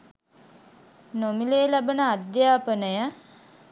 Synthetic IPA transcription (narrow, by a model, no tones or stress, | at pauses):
nomileːlæbənəad̪jaːpənəjə